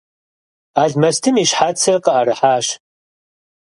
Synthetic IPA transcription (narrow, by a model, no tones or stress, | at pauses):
aːɮmɐstʰɨmiːʃħaːt͡sʰɐrqəʔɐɾɨħaːʃ